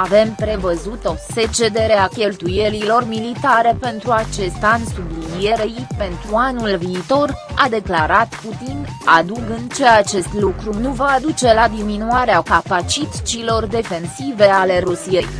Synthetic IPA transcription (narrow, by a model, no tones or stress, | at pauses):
ave̞mpɾe̞vəzut̪o̞se̞t͡ʃe̞d̪e̞ɾeakʲe̞lt̪uje̞lilo̞rmilit̪aɾe̞pe̞nt̪ɾuat͡ʃe̞st̪ansublinije̞ɾejpe̞nt̪ɾuanulviːt̪o̞rad̪e̞klaɾat̪put̪inad̪uɡɨnt͡ʃe̞at͡ʃe̞st̪lukɾunuvaːd̪ut͡ʃe̞lad̪iminuaɾeakapat͡ʃit̪t͡ʃilo̞rd̪e̞fe̞nsive̞ale̞ɾusije̞j